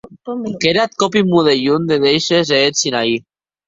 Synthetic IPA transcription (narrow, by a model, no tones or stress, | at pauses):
keɾat̪̚kɔpimuðeʎund̪eðejʃezeesinai